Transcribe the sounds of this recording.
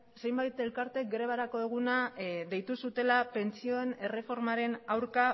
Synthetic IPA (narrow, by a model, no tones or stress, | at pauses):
se̞jmbajt̪e̞lkaɾt̪e̞kɡɾe̞β̞aɾako̞eɣ̞unaðe̞jt̪usut̪e̞lape̞nt͡sio̞ene̞re̞fo̞ɾmaɾe̞nawɾka